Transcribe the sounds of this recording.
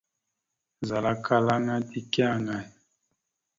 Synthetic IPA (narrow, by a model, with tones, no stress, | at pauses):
nza˨la˦kʰa˦la˦ŋa˦ti˦kɛ˦a˦˨ŋa˨ni˨